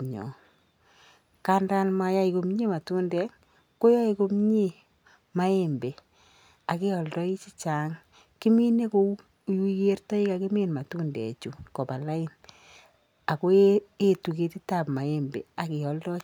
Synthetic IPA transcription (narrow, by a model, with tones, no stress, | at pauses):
ɲɔ̰˨ | ka˦nda˦nma˨ja˦i˨ko˨m˦ɲe˦ma˨tu˦ndɛ˦ | ko˦ja˦iko˦m˦ɲe˦ | ma˦e˦mbe˨ | a˨kɪ˦ɔ˨ldɔ˦i˦t͡ʃi˦t͡ʃaː˨ŋ | kɪ˦mi˦ne˦ko˦ | ju˦je˦rtɔ˦i˦ka˨kɪ˦mi˦nma˨tu˦ndɛ̰˨t͡ʃu˨kɔ˨pa˨la˦ɪ˦n | a˨ko˦e˦tu˨ke˨tɪ˦ta˨pma˨e˦mbḛ˨a˨kɪ˨ɔ˨ldɔ˦